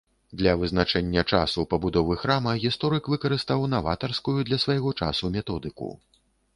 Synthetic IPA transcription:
d̪lʲɐvɨznat͡ʂɛnʲːɐt͡ʂa̰supɐbud̪ɔvɨxɾamɐɣʲist̪ɔɾɨkvɨkɐɾɨst̪awnava̰t̪ɐrskujud̪lʲɐsvajɣɔt͡ʂa̰sumʲɛt̪ɔd̪ɨkṵ

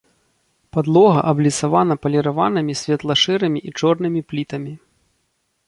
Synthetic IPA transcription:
pad̪lˠɔɣɐ̰ʔɐblʲisavanɐpɐlʲɛɾavanɨmʲisʲvʲɛt̪lˠɐʂɨɾɨmʲiʔit͡ʂɔrnɨmʲiplʲit̪ɐmʲi

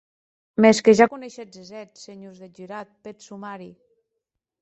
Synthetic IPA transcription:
meskeʒakuneʃezezɛt̪seɲozðed͡ʒiɾat̪̚pet̪sumaɾi

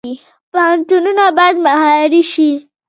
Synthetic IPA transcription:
i | paɦant̪ununabad̪maɦaɾiʃi

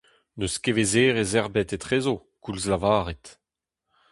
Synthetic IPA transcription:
nøskevezeːʁezɛʁbɛt̪etχeːzo | kulzlavaːʁet̪

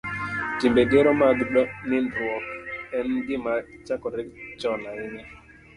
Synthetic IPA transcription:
timbeɡeɾɔmaɡɡ͡bnɪndɔkɛnɡɪmat͡ʃakɔɾɪt͡ʃɔnaɪnɛ

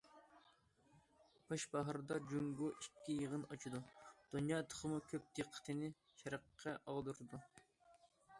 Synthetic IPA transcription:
b̥ʰɑʃbɑɦɾd̪ɑd͡ʒuŋɡuʔikʲʰːijəʁənɑt͡ʃʰid̪ud̪̥unjɑːt̪ʰə̥χəmukʲʰøp̚d̪̥eqʰːə̥t̪ʰɨnɪ | ʃɛɾəqʰːɛʔɑʁd̪uɾɨd̪u

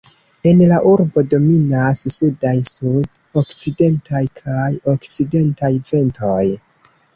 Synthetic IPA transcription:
e̞nlaʔuɾbo̞do̞minassudajsud | o̞kt͡side̞ntajkʰajo̞kt͡side̞ntajve̞nto̞j

